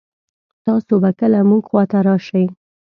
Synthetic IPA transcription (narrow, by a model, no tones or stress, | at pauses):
t̪ɑsobakəlamuɡxwɑt̪aɾɑʃawi